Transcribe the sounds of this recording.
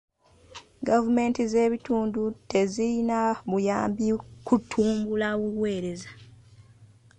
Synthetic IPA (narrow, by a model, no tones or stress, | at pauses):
ɡavume̞ːntize̞ːβituːndute̞ziinaβujaːmbikutʰːuːmbulaβuwe̞ːɾe̞zḁ